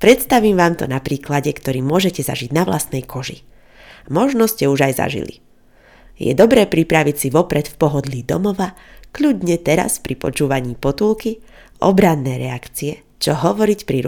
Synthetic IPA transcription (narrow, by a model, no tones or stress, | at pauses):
pɾɛt̪st̪aʋiːmʋaːmt̪ɔ̰napɾiːklaɟɛkt̪ɔɾiːmʊɔʒɛcɛza̰ʒiɟnaʋla̰st̪nɛjkʰɔʒḭ | mɔʒnɔscɛuʒajza̰ʒḭlḭ | jɛ̰d̪ɔbɾɛːpɾipɾaʋicsiʋɔpɾɛt̪fpɔɦɔd̪lid̪ɔ̰mɔʋakʎuɟɲɛt̪ɛɾa̰spɾipɔ̰t͡ʃuːʋaɲiːpɔt̪ulki | ɔ̰bɾanːɛːɾɛakt͡siɛ | t͡ʃɔɦɔʋɔɾicpɾiɾ